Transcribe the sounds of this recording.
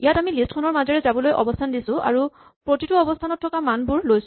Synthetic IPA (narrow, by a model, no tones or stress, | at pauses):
ijatamilistkʰɔnɔɹmazɔɹɛzabɔlojʔɔ̰bɔstʰandisʊ̃ʔa̰ɹu | pɹotitʊɔbɔstʰanɔtʰːɔkamanbuɹlojsʊ̥̃